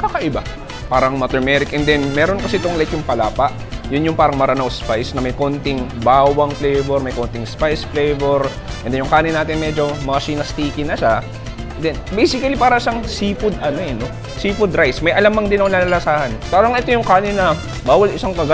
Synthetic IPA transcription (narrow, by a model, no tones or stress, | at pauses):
kakɐʔɪba | paːɾɐŋmɐt̪ɛɹmɛɾɪkʔɛnd̪ɛnmɛːɾonkɐsɪʔt̪oŋlɐɪt̪jʊŋpɐlaːpɐʔ | jʊnjʊŋpaːɾɐŋmɐɾanawspajsnɐmɐjkont̪ɪŋbaːwɐŋflɛjvɛɾmɐjkont̪ɪŋspajsflɛjvɛɾ | ʔʔɛnd̪ɛnjʊŋkaːnɪnaːt̪ɪnmɛd͡ʒo̞mɐɐʃinɐst̪iːkɪnɐʃa | ɛnd̪ɛnbejsɪkɐlipaːɾɐʔɪsaŋsifʊd̪ʔɐnoɛno̞ | siːfʊd̪ɾajsmɐjʔɐlamɐŋd̪ɪnɐŋnlɐlɐlɐsaːhɐnsaːɾɐŋʔɛt̪o̞jʊŋkaːnɪnɐ | baːwɐlɪsaŋkɐɡa